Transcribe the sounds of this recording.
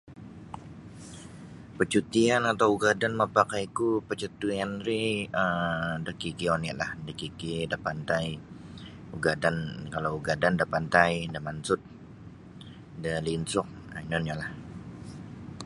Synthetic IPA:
pət͡ʃut̪ianat̪awuɡadanməpakajkupət͡ʃut̪uanɾiədakikiɔna̰ʔlahdakikedapant̪aj | uɡadankalawɡadandapant̪ajdəmansʊt̪̚ | dəlinsʊk̚ | ainonjalah

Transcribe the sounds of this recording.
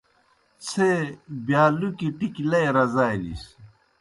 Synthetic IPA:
t͡sʰebjaːlukiʈiklɐjɾɐzaːjnḭɕ

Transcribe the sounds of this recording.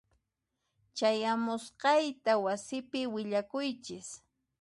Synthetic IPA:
t͡ʃajamʊsqɑjt̪awasɪpɪwɪʎakʊjt͡ʃɪs

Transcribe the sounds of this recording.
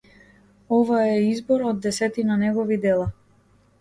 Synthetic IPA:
ɔvaɛizbɔɾɔd̪ːɛsɛt̪inanɛɡɔvid̪ɛlˠa

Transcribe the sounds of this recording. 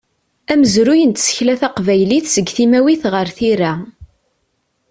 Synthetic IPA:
æməzɾujənt̪sə̥çlæθæqvæjliθsəɡθimæwiθʁəɾθiɾæ

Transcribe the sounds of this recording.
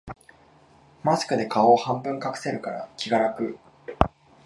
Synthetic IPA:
masɨ̥kɯ̟d̪e̞kao̞ːhãmbɯ̟̃ŋkakɯ̟̥se̞ɾɯ̟kaɾakʲiɡaɾakɯ̟

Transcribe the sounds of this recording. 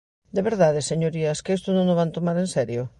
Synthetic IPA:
d̪eβeɾðaðeseɲoɾiɐskest̪ʊnõŋoβant̪omaɾensɛɾjo

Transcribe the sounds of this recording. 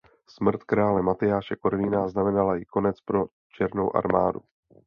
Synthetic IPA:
smr̩t̪kɾaːlɛmat̪ɪjaːʃɛkoɾlinaznamɛnalajɪko̞nɛt͡spɾo̞ | t͡ʃɛɾno̞wʔa̰ɾmaːdṵ

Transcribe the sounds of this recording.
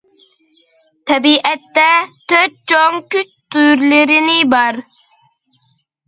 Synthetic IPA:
t̪ʰɛbiʔɛt̪ːɛt̪ʰøt̪̚t͡ʃʰoŋkʲyt͡ʃt̪ʰujɾlɪɾɪnɪbɑɾ

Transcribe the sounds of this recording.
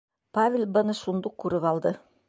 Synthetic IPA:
pavʲelʲbɤ̆nɤʃund̪uq̚kʉɾɘpɑlˠd̪ɤ

